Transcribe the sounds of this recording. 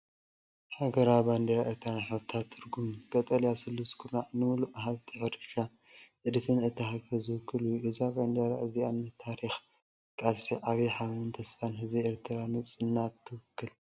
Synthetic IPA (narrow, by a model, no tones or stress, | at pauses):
ħaɡɐɾaband̪ɐjaʔeɾt̪ʰɨɾanħɨβt̪ʰat̪ʰːɨɾɡumkʼɐt̪ʼɐljasɨlːuskʰuɾaʔnɨmuluʔɦaβt̪ʰiħɐd̪ɨʃa | ʔɨd̪ɨt̪ʰɨnɨt̪ʰːɨhaɡɐɾzɨwɨkʰːɨlujuʔɨzaband̪aɾa̰ʔɨziamnɐt̪ʰaɾix | kʼalsiʔaβiħaβɐɨnt̪ʰɐsfanhɨzβieɾt̪ʰɨɾanɨt͡sʼɨnːat̪ʰːɨwɨkʰːɨl